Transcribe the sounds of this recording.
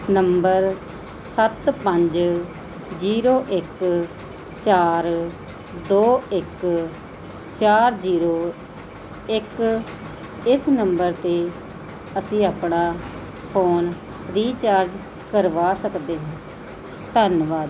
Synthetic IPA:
nəmbəɾ | sət̪pəɲd͡ʒ | d͡ʒiːɾoːʔɪk | t͡ʃaːɾ | d̪oːɪk | t͡ʃaːɾd͡ʒiːɾoː | ɪk | ɪsnəmbəɾt̪eː | əsĩːaːpnaː | pʰoːn | ɾiːt͡ʃaːɾd͡ʒ | kəɾʋaːsəkd̪eːɦãː | t̪ənʋaːd̪

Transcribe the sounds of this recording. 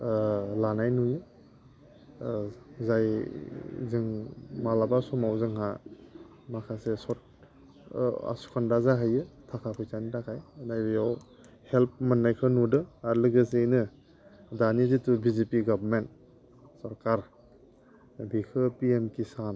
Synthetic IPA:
lanajnujɯ | zaj | zɯŋmalabasɔmawzɯŋɦa | makʰasesɔt̚ | a̰su̥kʰandazaɦajɯtʰakʰapʰɯjtanitʰakʰajnajbɯjaw | help̚manːajkʰɯnudɯaɾlɯɡɯsejnɯ | danizitubizipiɡabɾment̚ | sɔɾkaɾ | bikʰɯpiemkisan

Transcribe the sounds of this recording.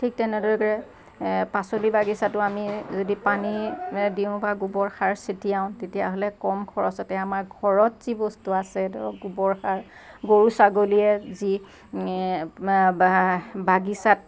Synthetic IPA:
tʰik̚tɛnɛdɔɹɛɡɹɛ | pasolibaɡisatʊamizodipanidiʊ̃baɡubɔɹxaɹsetijaʊ̃ntetija̰ɦolɛkɔmɡʰʱɔɹɔsɔtɛamaɹɡʱɔɹɔtz̥ibɔstuasɛdɔɡubɔɹxaɹ | ɡoɹusaɡolijɛzi | baɡisat̚

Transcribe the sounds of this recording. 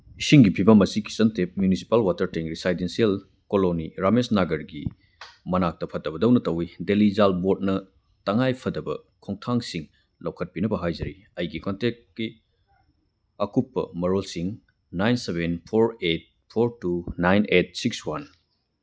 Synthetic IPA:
isiŋɡipʰibɐmɐsiki̥sɐntep̚mjunisi̥palwatɐɾteŋɾisajdensiel | koloniɾamesnaɡɐɾɡḭ | mɐnak̚tɐpʰɐtːɐbɐdɐwnɐtɐwidelizalbot̚nɐ | tɐŋajpʰɐdɐbɐ̰ | kʰoŋtʰaŋsiŋ | lɐwkʰɐt̚pinɐbɐɦajzɐɾi | ɐjɡikontek̚ki | ɐkupːɐ̰mɐɾolsiŋ | najnsebenpʰoɾet̚ | pʰoɾtunajnet̚sikswan

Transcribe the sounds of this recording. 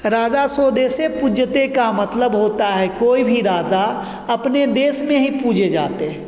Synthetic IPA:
ɾaːd͡ʒasoːd̪eːsepud͡ʒət̪ekamɐt̪ləbɦoːt̪aɦɛkoːibʱiɾaːd͡ʒa | ɐpned̪eːsmẽɦipuːd͡ʒʱed͡ʒaːt̪eɦɛ

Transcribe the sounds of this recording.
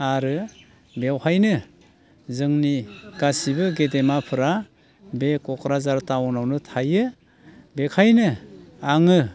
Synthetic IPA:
aɾɯ | bewhajnɯ | zɯŋniɡ̥asibɯɡedemapʰɯɾa | bekɔkʰɾazaɾtaɔnawnɯtʰajɯ | bekʰajnɯ | aŋɯ

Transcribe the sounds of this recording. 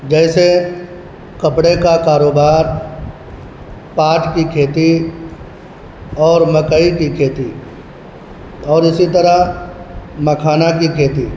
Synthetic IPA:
d͡ʒɛːse | kɐpɽekakaːɾoːbaːɾ | paːʈkikʰeːt̪i | ɔːɾmɐkəikikʰeːt̪i | ɔːɾɪsit̪əɾə | mɐkʰaːnakikʰeːt̪i

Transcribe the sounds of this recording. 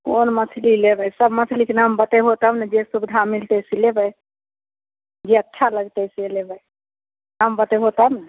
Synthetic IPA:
koːnməsʰlilebəjsəbməsʰlikenambət̪əjɦot̪əmnɛd͡ʒessubd̪ʱamilt̪əsilebəj | d͡ʒiətːʃʰaləɡt̪əjsilebəj | nambət̪əjɦot̪əbnɛ

